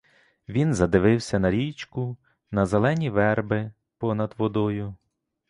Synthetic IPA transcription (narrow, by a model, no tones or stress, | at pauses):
ʋʲinzɐd̪ɪʋɪwsʲɐnɐɾʲit͡ʃkʊ | nɐzelˠɛnʲiʋɛrbɪ | pɔnɐd̪ʋɔd̪ɔjʊ